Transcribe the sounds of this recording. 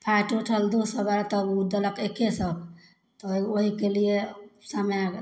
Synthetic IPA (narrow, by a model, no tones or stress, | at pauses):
pʰaʈuʈʰəld̪osəbaɾat̪ɔud̪ələkekesəb | t̪ɔoɦikeliesama